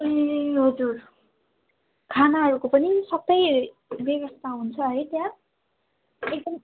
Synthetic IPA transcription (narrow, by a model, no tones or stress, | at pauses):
eɦʌd͡zur | kʰanaɦʌɾukopʌnisʌbʌj | beɡʌst̪ʰaɦunt͡sʰʌɦʌjt̪jã | ek̚d̪ʌm